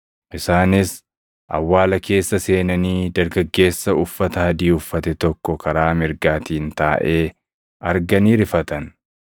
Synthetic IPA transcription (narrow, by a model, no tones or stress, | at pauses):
ʔɪsaːnɪs | ʔɐ̰wːaːlɐkʰe̞ːsːɐse̞ːnɐniːd̪ɐɾɡɐɡːe̞ːsːɐʊfːɐt̪ɐhɐd̪iːʊfːɐt̪ɛt̪ɔkːɔkʰɐɾaːmɪɾɡaːt̪iːnt̪aːʔe̞ː | ʔɐɾɡɐniːɾɪfɐt̪ɐn